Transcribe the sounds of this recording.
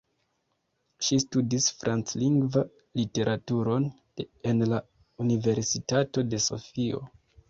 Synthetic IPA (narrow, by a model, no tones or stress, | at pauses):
ʃistudisfɾʔant͡sliŋɡva | lite̞ɾʔatuɾo̞n | enla | unive̞ɾsitato̞de̞so̞̰fio̞̰